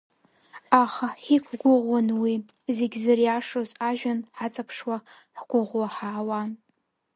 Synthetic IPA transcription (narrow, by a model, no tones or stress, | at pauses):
aχaħikʷʰɡʷʊʁʷwanwi | zeɡʲzarjaʂozaʒᶣanħat͡sʼapʰʂwa | ħɡ̥ʷʊʁʷwaħaːwan